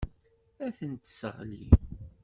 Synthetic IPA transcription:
æθənt̪sə̰ʁlḭ

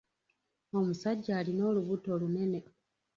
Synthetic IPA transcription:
o̞musaɟːaːlino̞ːluβuto̞lune̞ne̞

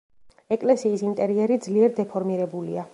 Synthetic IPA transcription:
ɛkʼlɛsiːsint̪ʼɛɾiɛɾid̪zliɛɾd̪ɛpʰɔɾmiɾɛbulia

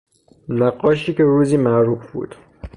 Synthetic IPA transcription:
næɢɒːʃiːkeɾuːziːmæɾuːfbṵːd̪̥

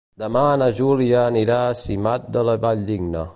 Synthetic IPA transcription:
d̪əmanəʒuliəːniɾasimat̪̚d̪ələβaʎd̪iɡnə̰

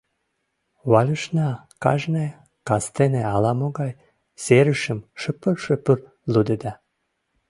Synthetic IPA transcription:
wɑlʲəʃnɑ | kɑ̰ʒne | kɑst̪eneɑlɑmoɣɑj | seɾəʃə̆mʃəpərʃəpər | lud̪ed̪ɑ

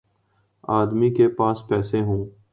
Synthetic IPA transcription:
aːd̪mikepaːspɛːseɦũː

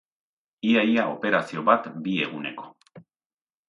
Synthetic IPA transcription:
iajaʔo̞pe̞ɾasio̞βat̪bie̞ɣune̞̰ko̞̥

